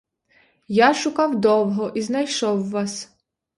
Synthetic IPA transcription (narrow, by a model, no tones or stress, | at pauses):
jaʃʊkɑwd̪ɔwɦɔʔiznɐjʃɔwːɑs